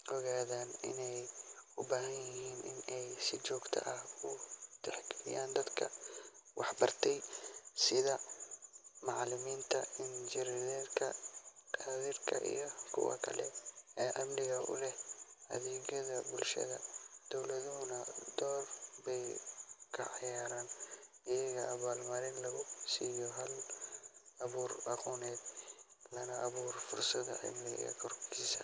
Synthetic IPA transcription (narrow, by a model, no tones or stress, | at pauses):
ʔɔɣaːðaːnɪ̰nɛj | ʊbaːɦɐjjɪɦiːnɪ̰nɛjsɪt͡ʃɔːɡt̪ʰɐ̰ʔɐhʊt̪ʰɛħɡʰɐlɪ̰jaːnd̪ɐd̪kʰɐ̰wɑħbɐrt̪ʰɛjsɪðɐ | mɑʕlɪmiːnt̪ʰɐɪnt͡ʃɪɾɪðɛːɾkʰɐ̰qʰaːðiːrkʰɐ̰ʔḭjɞkʰʊ̰wɑ̰kʰɐlɛ̰ɛːʔɐmnɪɣɐʔʊ̰lɛhʔɐ̰ðɛːɣɐðɐbʊlʃɐ̰ðɐd̪̥ɔwlɐðʊɦʊnɐd̪ɔːrbɛjkʰɐʕɑjaːɾaːn | ɪjɐɣɐʔɐβaːlmɐɾɪnlɐɣʊsiːjɔɦɐl | ɐβuːrɑquːnɛːd̪lɐnɐʔɐβuːrfʊrsɐðɐ̰ħɪ̰mlɪɣɐ̰ɣɐ̰kʰɔrkiːsɐ